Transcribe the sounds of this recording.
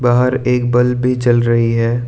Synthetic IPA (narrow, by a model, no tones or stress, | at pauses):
baːɦəɾeːk̚bɐlbʱit͡ʃɐlɾɐɦiɦɛː